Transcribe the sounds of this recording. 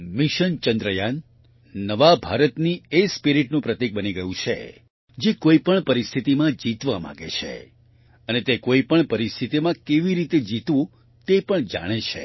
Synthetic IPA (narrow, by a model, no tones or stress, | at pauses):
miʃənt͡ʃənd̪ɾəjanː | əʋabʱaɾət̪niespiɾiʈnũpɾət̪ek̚bəniɡəjũt͡ʃʰḛ | d͡ʒekoipəɳpəɾist̪ʰit̪imãd͡ʒit̪ʋamã̰ɡḛt͡ʃʰḛ | ənet̪ekoipəɳpəɾist̪ʰit̪imãkeʋiɾit̪ed͡ʒit̪ʋõ | t̪epəɳd͡ʒa̰ɽ̃et͡ʃʰḛ